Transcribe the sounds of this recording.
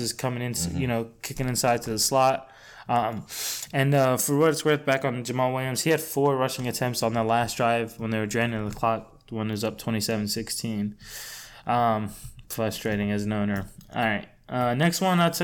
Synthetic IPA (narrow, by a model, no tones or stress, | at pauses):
ɨz̥kʰʌmɪ̃ŋɨ̃nsjɨñoʊkʰɪkɪ̃ŋɨ̃nsaɪd̚tʰɨðəslɑt̚ | ʔʌ̃mɨ̃nʌfə˞wʌɾɨtsɡ̥ɹɛθ̚b̥ækn̩d͡ʒɨmɑweɪɨ̃mz̥hiɨd̥fɔɹɹʌʃɪ̃ŋɨtʰɛ̃mp̚tsn̩ðə˞læsdɹaɪvwə̃nðeɪə˞dɹɛ̃nɪ̃ɨ̃ðəkʰl̥ɑk̚ðwʌ̃nɨzʌp̚tʰw̥ɛ̃ɾ̃isɛṽn̩sɪkstʰĩn | ʔʌ̃mfɹʌstɹ̥eɪɾɪ̃ŋɨznõʊ̃nə˞ʔɑ̰ɹaɪt̚ʔʌnɛkst̚wʌ̃naɪtʰ